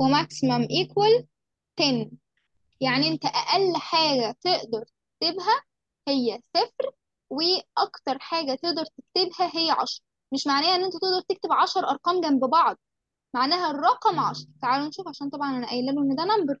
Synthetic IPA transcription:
wemæksmæmʔekwæl | t̪æːni | jaʕniʔent̪æʔæʔælːħaːɡæt̪eʔd̪ɑɾˤt̪ek̚t̪ebɦæ | hejːæsefɾ | weʔɑkt̪ɑɾˤħaːɡæt̪eʔd̪ɑɾˤt̪ekt̪ebhæɦejːæʕɑ̰ʃɾˤɑ | meʃmaʕnæjːæʔenːʔent̪æt̪eʔd̪ɑɾˤt̪ekt̪ebʕɑʃɑɾˤʔɑɾˤqɑːmɡæmbebɑʕd̪̚ˤ | maʕnæːɦærˤːɑqɑmʕɑʃɑɾˤt̪aʕaːlwenʃuːfʕaʃæːnt̪ˤɑbʕɑnʔænæʔæjːlːæluʔenːæd̪ænæmbeɾ

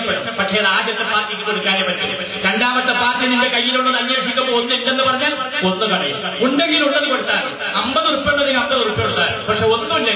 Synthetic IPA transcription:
pːeɽumpɐʈʂeraːd͡ʑjɐt̪ːepaːrkikʲːikoɽukːaːɾjepːɐʈːḭ | kɐɳɖaːʋɐt̪ːɐpaːrt͡ɕɐninde̞kɐjːiluɭːɐðɐɲːeːʂikʲːɐpoːunːuindenːɨpɐrɐɲːaːl | o̞nːukɐɽɐjṵm | uɳdɐŋɡiːluɭːɐðukoɽut̪ːaːn | ɐmbɐðurupːeɭːɐðinɐmpːɐðurupːɐkeɽut̪ːaːɾṵpɐkʂeo̞nːuundɐ

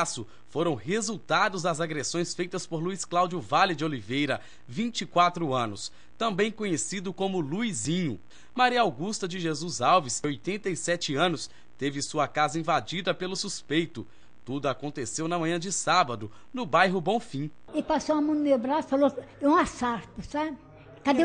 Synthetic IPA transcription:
sʊ | foɾɐ̃w̃ɦezut̪ad̪ʊzɐzaɡɾesõj̃sfejt̪ɐspoɾluisklawd͡ʒʊvalɪd͡ʒɪolivejɾɐ | vĩt͡ʃikwat̪ɾʊɐ̃nʊs | t̪ɐ̃mbẽj̃kõɲesid̪ʊkõmʊluizĩɲʊ | maɾiɐawɡust̪ɐd͡ʒɪʒezuzawvisojt̪ẽnt̪ɐisɛt͡ʃɪɐ̃nʊs | t̪evɪsuɐkazɐĩvad͡ʒid̪ɐpelʊsuspejt̪ʊ | t̪ud̪ʊakõnt̪esewnɐmɐ̃ɲɐ̃d͡ʒɪsabɐd̪ʊ | nʊbajɦʊbõw̃fĩ | epasowɐmɐ̃nmewbɾasfaloɛũasaɾt̪ʊsab | kad̪e

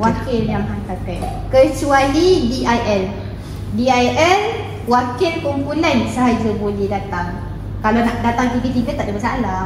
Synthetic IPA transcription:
wakɪljamɦant̪akat̚ | kət͡ʃualidiʔajʔɛl | diajʔɛl | wakɪlkɔmpunɛ̃nsəɦad͡ʒabolɛhdat̪aŋ | kalanaʔdat̪aŋt̪ikit̪iɡət̪aʔdəbəsaʔanla

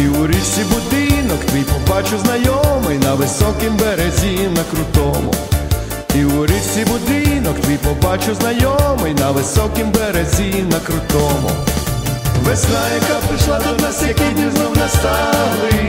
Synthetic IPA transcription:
iʊɾʲiwsʲibʊd̪ɪnɔkt̪ʋʲijpɔbɑt͡ʃʊznɐjɔmɪjnɐʋɪsɔkɪmbeɾezʲinɐkɾʊt̪ɔmʊ̰ | iʊɾʲiwsʲibʊd̪ɪnɔkt̪ʋʲijpɔbɑt͡ʃʊznɐjɔmɪjnɐʋɪsɔkɪmbeɾezʲinɐkɾʊt̪ɔmʊ̰ | ʋɛsʲnajɐkapɾɪʃlˠat̪ud̪nɐsekʲid̪ʲiznɔwnɐst̪alˠɪ

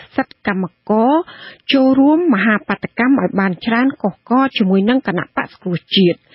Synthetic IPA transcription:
sət̪̚kamːakɑːt͡ɕoːlruəmːəɦaːpat̪ʰːakamʔaɔjɓaːnt͡ɕraənkohkɑːt͡ɕiəmuəjnɨŋkəna̰ʔpa̰ʔsɑ̥ŋkrŭəht͡ɕiət̪̚

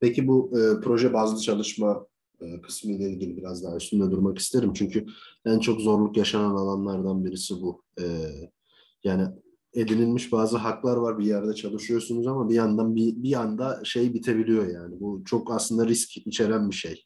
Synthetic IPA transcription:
pʰecibuɯːpʰɾo̞ʒɛbaːzˠɯt͡ʃʰalˠɯʃma | ɯːkʰɯ̥smɯilʲeiɟʲilʲibiɾazd̪aːɛsʰynlʲɛd̪uɾmaki̥st̪ʰe̞ɾimt͡ʃʰyɲcʰyb̥ænt͡ʃʰo̞kzo̞ɾlˠukjaʃananalˠanlˠaɾd̪anbiɾisibu | ɛː | jaːni | e̞d̪inilʲmiʃbaːzɯɦaklˠaɾvaɾbijæɾd̪ɛt͡ʃʰalˠɯʃɯjo̞sunuzamabijand̪anbibiand̪aʃe̞jbit̪ʰe̞bilʲijo̞jaːnibut͡ʃʰo̞kaslˠɯnd̪aɾiscit͡ʃʰe̞ɾænbiʃej

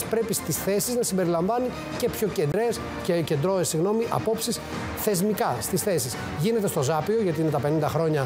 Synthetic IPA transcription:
spɾe̞pist̪isθe̞siznɐsimbe̞ɾilɐɱvɐni | ce̞pço̞ce̞nd̪ɾe̞s | cece̞nd̪ɾoesiɣno̞miʔɐ̰po̞psis | θe̞zmikɐst̪isθe̞sis | ʝine̞t̪est̪o̞zɐpio̞ʝɐt̪iine̞t̪ɐpe̞nind̪ɐxɾo̞ɲɐ

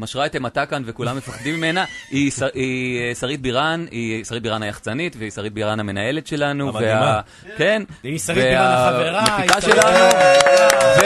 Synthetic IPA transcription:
maʃʁaetematakanvekulamːefaχdimːime̞naisaisaʁit̪̚biʁanisaʁit̚biʁanhajaχt͡sanit̪veisaʁit̪̚biʁaname̞naje̞le̞tʃe̞lanuvvea | ke̞neamefiaʃelanu | v

